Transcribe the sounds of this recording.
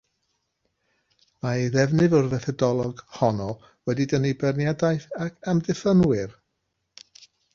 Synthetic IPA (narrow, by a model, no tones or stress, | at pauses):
maeðɛvnɨvɔrvɛθɔdɔlˠɔɡ̥hɔnɔ | wɛdidənejbɛrnjadajθakʰamdɨfənwɨr